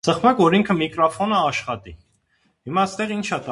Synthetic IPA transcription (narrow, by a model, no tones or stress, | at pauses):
səχmɑkvɔɾiŋkʰəmikɾɔfɔnəɑʃχɑt̪i | himɑst̪ɛʁint͡ʃʰɑt̪